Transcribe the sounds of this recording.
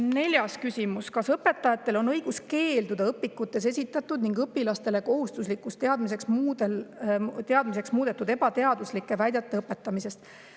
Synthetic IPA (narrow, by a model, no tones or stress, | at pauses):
ne̞lʲjɑskysʲimuskɑsɤpːe̞t̪ːˑɑjɑt̪ːe̞lo̞nɤjɡ̥uske̞ːld̪ud̪ɑɤpːikːˑut̪ːˑe̞s̬e̞sʲit̪ːˑɑt̪ːˑud̪niŋɡɤpːilɑst̪e̞le̞ko̞ɦust̪uslikːˑust̪ːeɑd̪mis̬e̞ksmuːd̪elt̪eɑd̪mis̬e̞ksmuːd̪̥et̪ːˑud̪e̞b̥ɑt̪e̞ɑd̪̥uslikːˑe̞væjd̪et̪ːˑeɤpːˑe̞t̪ːˑɑmise̞st̪